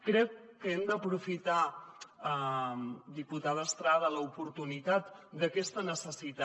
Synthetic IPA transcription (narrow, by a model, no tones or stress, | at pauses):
kɾɛkkːəɛmd̪əpɾufit̪aə | d̪iput̪aðəːst̪ɾaðələupuɾt̪unit̪at̪̚d̪əkɛst̪ənəsəsit̪a